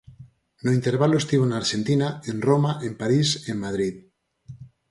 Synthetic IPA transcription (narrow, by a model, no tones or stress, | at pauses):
noint̪e̞ɾβaloest̪iβoenaɾʃẽ̞nt̪inaenromaʔempaɾise̞mmað̞ɾið